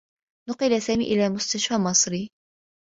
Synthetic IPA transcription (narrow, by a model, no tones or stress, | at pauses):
nʊqɪlasaːmiːʔɪlaːmʊst̪aʃfaːmɑsˤɾi